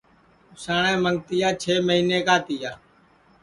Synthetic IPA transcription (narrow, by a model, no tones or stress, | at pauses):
ʊsaːɳẽːməŋɡt̪ɪjaːt͡ʃʰeːməɦiːneːkaːt̪ɪjaː